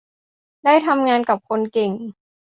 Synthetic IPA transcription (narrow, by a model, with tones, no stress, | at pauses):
da˥˩jt̪ʰa˧mŋaː˧nka˨˩p̚kʰo˧nke˨˩ŋ